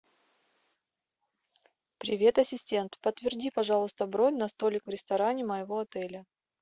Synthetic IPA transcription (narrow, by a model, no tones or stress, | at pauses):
pɾʲɪvʲe̞t̪ɐsʲɪsʲtʲe̞nt̪pət̪vʲɪrdʲipɐʐɑlˠʊst̪əbɾonʲnɐst̪olʲɪkvɾʲɪst̪ɐɾanʲɪməjɪvo̞ɐt̪ɛlʲə